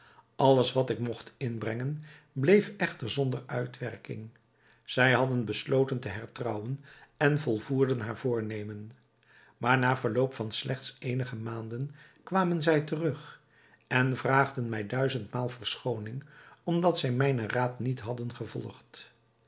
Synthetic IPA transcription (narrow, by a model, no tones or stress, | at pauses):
ʔɑlˠəsʋɑtɪkmɔχtɪnbrɛŋən | blejfɛχtəɹzɔndəɹœ̰ɥtʋɛ̰ɹkɪ̰ŋ | z̥ɛjɦɑdənbəslowtəntəɦɛɹtrɑwənɛnvɔlˠvuːɹdənɦaːɹvʊːɹnejmən | maːɹnaːvəɹlowpfɑnslɛχtsejnəχəmaːndənkʋaːmənzɛjtərɵχ | ɛnvraːχdənmɛjdœɥzəntmaːlˠvəɹsχownɪŋɔmdɑtsɛjmɛjnəraːtnitɦɑdənχəvɔ̰lˠχt